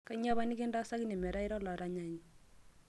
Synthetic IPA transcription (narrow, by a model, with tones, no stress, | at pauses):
ka˦ɲa˦βa˦ni˦kɪ˦nda˦sa˦ki˦ni˨mɛ˨ɾa˦ɪ˦ɾɔ˦la˨ɾa˦ɲa˨ɲi˨